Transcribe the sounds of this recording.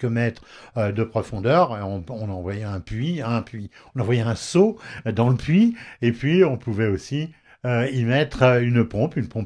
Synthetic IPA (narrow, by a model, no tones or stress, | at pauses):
kəmɛt̪χ | ød̪əpχɔfɔ̃d̪œʁɔ̃ɔ̃nɑ̃vwajɛɛ̃pɥiɛ̃pɥiɔ̃nɑ̃vwajɛɛ̃sod̪ɑ̃ləpɥiepɥiɔ̃puvɛosi | øimɛt̪χynpɔ̃pynpɔ̃p